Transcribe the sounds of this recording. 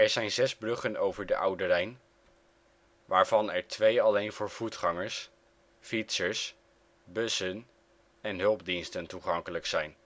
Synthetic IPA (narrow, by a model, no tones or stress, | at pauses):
ɛɹzɛjnzɛzbrɵχənowvəɹdəʔʌwdərɛjn | ʋaːɹvɑnɛɹtʋejɑlejnvʊːɹv̥utχɑŋəɹs | fitsəɹs | bɵsən | ɛnɦɵlˠb̚dinstəntuχɑŋkələksɛjn